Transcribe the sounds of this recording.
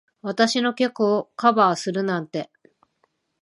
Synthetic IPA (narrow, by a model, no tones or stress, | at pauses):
βat̪aɕino̞kʲe̞kɯokabaːsɨɾɯ̟nãnt̪e̞